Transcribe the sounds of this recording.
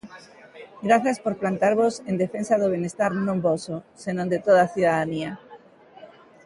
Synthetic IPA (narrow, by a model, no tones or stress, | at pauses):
ɡɾaθaspoɾplant̪aɾβosend̪efensaðoβ̞enest̪aɾnõmbososenõnd̪et̪oð̞aθjuðaðania